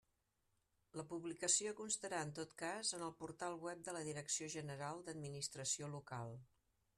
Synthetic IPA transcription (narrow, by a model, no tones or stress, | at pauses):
ləpuβlikəsiokunst̪əɾaənt̪ot̪kazənəlˠpuɾt̪alˠβwɛp̚d̪ələðiɾəksioʒənəɾalˠd̪əd̪minist̪ɾəsiolukalˠ